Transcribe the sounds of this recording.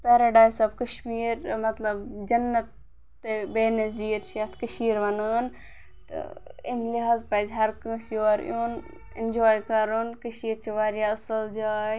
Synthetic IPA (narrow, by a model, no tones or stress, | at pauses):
peːɾɐɖaːjsɐb̚kɐʃmiːɾmɐt̪lɐbd͡ʒɐnːɐt̪ː | ebeːnɐziːɾt͡ʃʰɐt̪ʰkəʃiːɾʋɐnəːn | t̪ɨ̰ḭmliɦaːzpɐːzʲɦɐɾkə̃sjoːɾjoːn | ḭnd͡ʒoːjkɐɾoːnkəʃiːɾt͡ʃʰiʋaːɾjaɐsɨld͡ʒaːj